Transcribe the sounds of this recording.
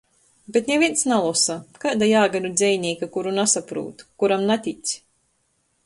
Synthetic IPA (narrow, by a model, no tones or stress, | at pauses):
bʲet̪nʲevʲiɛnsnalˠɔsakaːd̪ajaːɡad̪ud̪zʲɛjnʲiːkakuɾunasapɾṵːt̪kuɾamnat̪ʲit̪sʲ